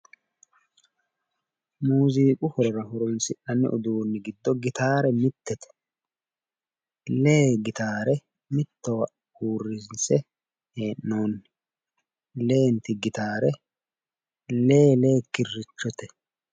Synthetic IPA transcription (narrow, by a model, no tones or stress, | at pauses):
muːziːkʼʊhɔɾɔɾɐhʊɾɔnsɪʔɐnːɛ̰ʔʊd̪uːnːɪɡɪd̪ːɔɡɪt̪aːɾɛmɪt̪ːɛt̪ɛ̥ | leːɡɪt̪aːɾɛ | mɪt̪ːɔwɐ | huːrːɪnsɛ | heːnːoːnːɪ | le̞ːnt̪ɪɡɪt̪aːɾɛ | le̞ːleːkːɪrːɪt͡ʃːɔt̪ɛ̥